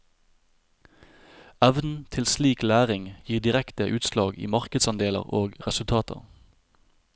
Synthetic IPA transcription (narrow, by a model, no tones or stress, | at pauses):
æʋn̩t̪ʰɪlsliːklæːʁɪŋjiːʁd̪ɪʁɛkt̪əʔʉːt̪slɑːɡḭːmɑʁkəd̪sɑnd̪eːlə̰ʁoːɡʁɛsʉlt̪ʰɑːt̪ʰə̰ʁ